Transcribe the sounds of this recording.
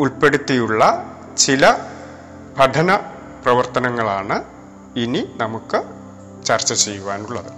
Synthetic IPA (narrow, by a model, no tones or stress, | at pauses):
uɭpe̞ɽut̪ːijuɭːɐ | t͡ɕilɐ | bʱɐɖ̪ʰʱɐnɐ | prɐʋɐrt̪ɐnɐŋːɐɭaːɳɨ | ininɐmukːɨ | t͡ɕɐrt͡ɕːɐt͡ɕejːuʋaːnuɭːɐðɨ